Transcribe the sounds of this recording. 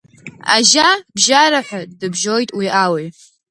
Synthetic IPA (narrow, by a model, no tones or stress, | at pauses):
a̰ʒabʒaɾaħʷᶣadɨbʒo̞jtʼwiʔawi